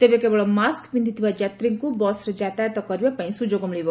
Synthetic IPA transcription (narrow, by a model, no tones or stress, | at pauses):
t̪ebekeboɭɔmaskpind̪it̪ʰiʋad͡ʒat̪ɾiŋkubɔsɾd͡ʒat̪aɛt̪ɔkəɾjapãĩsud͡ʒoɡɔmleʋo